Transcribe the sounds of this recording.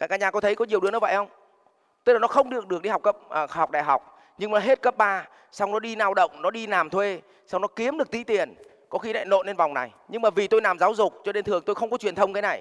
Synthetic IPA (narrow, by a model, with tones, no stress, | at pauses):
kaː˧˩kːaː˧˥ɲaː˨˩kɔ˨˦t̪ʰə˨˦jkɔ˨˦ɲi˨˩wɨ˨˦ənɔ˨˦və̰˧˨jhə˧wŋ͡m | t̪kla˨˩nɔ˨˦xə˧wŋ͡mɗɨ˨˩ək̚ɗɨ˨˩ək̚ɗi˧ha˨˩k͡pkːə˦˥p̚əː˨˩ha˨˩wk͡p̚ɗaː˨˩jɦa˨˩wk͡p̚ | ɲɨ˧ŋmaː˨˩ɦe˦˥t̚kə˦˥p̚ɓaː˧ | sa˧wnɔ˨˦ɗi˧naː˧wɗə̰˧˨wŋ͡mnɔ˨˦ɗi˧naː˨˩mt̪ʰwe˧ | sa˧wŋ͡mnɔ˨˦ki˨˦əmɗɨ˨˩ək̚t̪i˨˦t̪i˨˩ən | kɔ˨˦xi˧la̰ː˧˨no̰˧˨ne˧nva˨˩wŋ͡mna̰˨˩j | ɲɨ˧ŋmaː˨˩vi˨˩t̪o˧jlaː˨˩mzaː˨˦wzʊ˨˩k͡p̚t͡ɕɔ˧ne˧nt̪ʰɨ˨˩əŋt̪o˧jxə˧wŋ͡mkɔ˨˦t͡ɕwi˨˩ənt̪ʰə˧wŋ͡mkaː˨˦na˨˩j